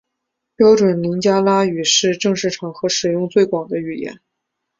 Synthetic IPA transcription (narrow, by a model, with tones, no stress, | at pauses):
pjɑ˥ʊʈ͡ʂwə˨˩nli˧˥ŋt͡ɕja˥la˥y˨˩ʂɻ̩˥˧ʈ͡ʂɤ˥˧ŋʂɻ̩˥˩ʈ͡ʂʰɑ˨˩ŋxɤ˧˥ʂɻ̩˨˩jʊ˥˧ŋt͡swe˥˩ɪkwɑ˨˩ŋd̪ə˦y˨˩jɛ̰˧˥n